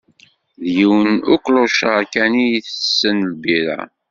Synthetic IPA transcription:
ðjiwənʊklʊʃəʁkænijiθəsːənlbiɾa̰

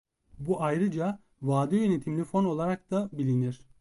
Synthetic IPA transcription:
buʔajɾɯd͡ʒa | vaːd̪øjø̞net̪ʰimlʲifo̞no̞lˠaɾak̚t̪abilʲiniɾ̥

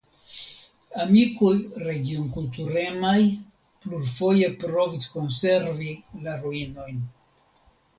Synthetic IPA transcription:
amikojɾe̞ɡionkultuɾe̞maj | pluɾfo̞je̞pɾo̞visko̞nse̞ɾvilaɾoino̞jn

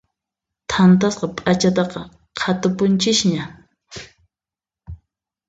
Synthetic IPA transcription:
t̪ʰant̪asqɑpʼat͡ʃat̪ɑqɑ | qʰat̪ʊpʊnt͡ʃɪʃɲa

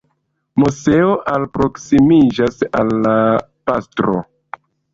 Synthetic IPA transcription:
muse̞oʔalpɾo̞ksimid͡ʒasa̰lːa | pastɾo̰

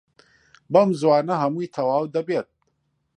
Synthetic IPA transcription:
bɐmzwaːnɐɦɐmuːjt̪ʰɐwaːwd̪ɐbeːt̪̚

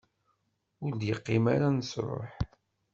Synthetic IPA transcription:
ʊɾd̪jəqːima̰ɾansɾˤo̰ħ

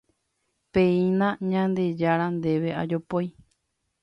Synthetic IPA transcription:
pẽĩnãɲãnd̪e̞d͡ʒaɾand̪e̞ʋe̞ʔa̰d͡ʒopoj

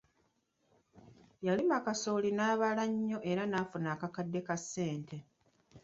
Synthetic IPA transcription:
jalimakasoːlinaːβalaɲːo̞ʔe̞ɾanaːfunaːkakadːe̞kasːe̞ːntʰe̞

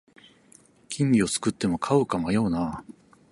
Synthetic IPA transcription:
kʲʰĩmʲbʲio̞t͡sɨ̥kɯ̟t̪ːe̞mo̞kʰaɯ̟kamajo̞ːna

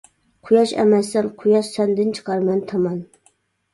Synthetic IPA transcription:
qʰʊjɑʃɛ̰mɛsːɛnqʰʊjɑʃsɛnd̪ɪnt͡ʃʰə̥qɑɾmɛnt̪ʰɑmɑn

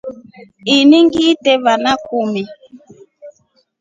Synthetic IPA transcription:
iniŋɡitɛβanakumi

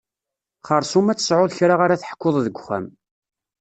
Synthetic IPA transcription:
χəɾˤsumæt͡sːə̥sʕʊðçɾaʁaɾaθəħkːoðˤðəɡʷχæ̰m

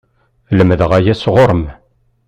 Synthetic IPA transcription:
ləməðəʁæjæsʁoɾˤəm

